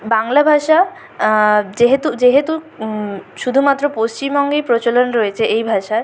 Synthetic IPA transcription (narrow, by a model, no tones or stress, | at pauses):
baŋlabʱaʃa | d͡ʑeɦet̪ud͡ʑeɦet̪u | ʃud̪ʱumat̪ːɾopost͡ɕimɔŋɡejpɾot͡ɕolonɾɔet͡ɕʰeʔejbʱaʃaɾ